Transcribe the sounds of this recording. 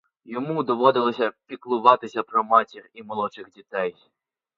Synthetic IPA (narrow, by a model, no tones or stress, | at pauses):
jɔmud̪ɔʋɔd̪ɪlˠɔsʲɐpʲiklˠʊʋɑt̪ɪsʲɐpɾɔmɑtʲiximɔlˠɔt͡ʃɪxdʲit̪ɛj